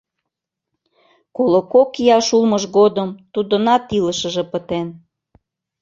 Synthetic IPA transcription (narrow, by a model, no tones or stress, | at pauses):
kolokokijɑʃulməʒɣod̪əmt̪ud̪ə̆nɑt̪iləʃə̆ʒĕpət̪en